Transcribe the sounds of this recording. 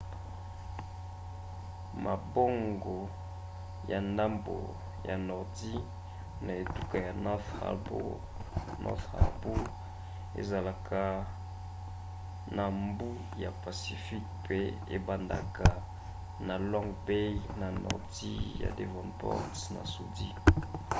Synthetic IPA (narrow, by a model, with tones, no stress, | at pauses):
ma˨bo˦ŋɡo˨ | ja˨nda˦mbo̰˨ | ja˨nɔ˨ʁti˦ | na˨e˨tu˦˨ka˨ja˨na̰b | nɔ̰˦fa̰˨bu˦ | ḛ˨za˨la˨ka˦ | na˨mbu˦ | ja˨pa˨si˨fi˦k̚pe˦e˦ba˨nda̰˨ka˨ | na˨lɔ˦ŋɡbe˦na˨nɔ̰˨ʁti˦ja̰˨de˨vɔ̃˨npɔ̰˦sna̰˨su˨dḭ˦